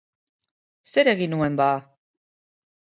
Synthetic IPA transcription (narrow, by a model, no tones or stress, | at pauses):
se̞ɾe̞ɣinue̞mbaː